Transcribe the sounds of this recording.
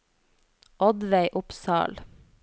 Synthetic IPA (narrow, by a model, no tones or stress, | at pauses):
ʔɔd̪ʋæɪʔʊpsɑ̰ːl